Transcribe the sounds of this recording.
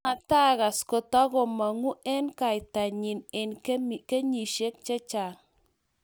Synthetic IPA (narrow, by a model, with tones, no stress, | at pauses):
a˨ta˦ɣa˨sko˨tɔ˦ɡo˨ma˨ŋu˦ʔɛ˦nka˨jt̪a˨ɲi˨nɛ˨nkm˨ke˦ɲi˨ʃe˦k̚t͡ʃe˦t͡ʃa˨ŋ